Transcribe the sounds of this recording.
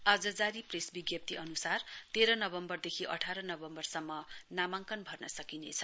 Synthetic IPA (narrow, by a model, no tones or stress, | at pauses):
ad͡zʌd͡zaɾipresbiɡjʌp̚t̪iʌnusart̪eɾʌnʌbʌmbʌrd̪ekʰiʔʌʈʰaɾʌnʌbʌmbʌrsʌmːʌnamaŋkʌnbʱʌrnʌsʌkinḛt͡sʰʌ̥